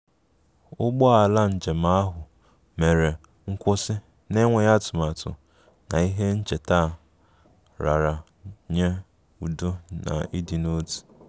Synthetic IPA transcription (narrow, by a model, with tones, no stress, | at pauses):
ʊ˦ɡ͡bɔ˦a˨la˦n̩˨d͡ʒe˨m̩a˦a˦ɦʊ˨ | me˨ɾe˨ | ŋ̩˦kʷʊ˦sɪ˦ | ne˦ŋʷe˨ɲa˦tʊ˨ma˨tʊ̰˨ | na˨i˦ɦe˦n̩˦t͡ʃe˨ta˦˨ | ɾa˨ɾa˨ | ɲe˦ | u˨do˦na̰˨i˦di˨no˦ti̥˨